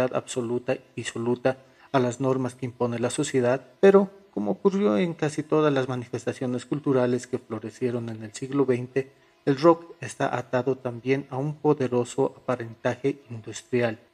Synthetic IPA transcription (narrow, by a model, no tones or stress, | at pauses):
aða̰βso̞lut̪aiðiso̞lut̪aː | lazno̞ɾmaske̞impo̞nelaso̞sje̞ðaðpe̞ɾo̞komoːkurjo̞eŋkasit̪o̞ðazlazmanife̞st̪asjo̞ne̞skult̪uɾale̞ske̞flo̞ɾe̞sje̞ɾo̞ne̞ne̞lsiɣlo̞βejnt̪e̞ː | lro̞kest̪a̰ʔat̪aðo̞t̪ambje̞naumpo̞ðe̞ɾo̞so̞ʔapaɾe̞nt̪axe̞ʔind̪ust̪ɾjal